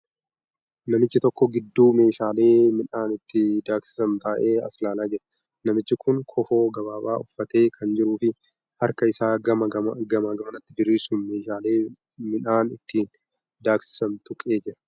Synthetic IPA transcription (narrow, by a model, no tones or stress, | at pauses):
nɐmɪt͡ʃːɪt̪ɔkːɔɡɪd̪ːuːme̞ːʃaːle̞ːmɪnaːnɪt̪ːɪd̪aːksɪ̥sɐnt̪aːʔe̞ːɐ̰slaːlaːd͡ʒɛɾɐ̥ | nɐmɪt͡ʃːɪkʰʊŋkʰɔfo̞ːɡɐβaːba̰ːʊfːɐt̪e̞ːkʰɐnd͡ʒɪɾuːfɪ | hɐɾkɐɪsaːɡɐmɐɡɐɡɐmaɡɐmɐnɐt̪ːɪbɪɾːiːsuːnme̞ːʃaːleː | mɪnaːnɪ̰t̪ʰːiːn | d̪aːksɪ̥sɐnt̪ʊkʼe̞ːd͡ʒɪɾɐ̥